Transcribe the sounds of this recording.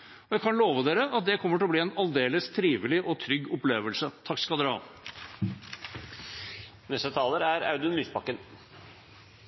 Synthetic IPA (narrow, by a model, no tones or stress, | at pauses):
ɔjæɪkʰɑnloːʋəd̪eːɾəʔɑt̪̚d̪ɛkʰɔmːəʈ̬ʰɪlɔbliːɛnɑld̪eːləst̪ʰɾiːʋɪlɪʔɔt̪ʰɾʏɡːʊpleːʋəlsət̪ʰɑkːskɑld̪ɛɾɑ̰ | nɛst̪ət̪ʰɑːləɾæɾɑ̰ʉd̪ənlyːspɑkːən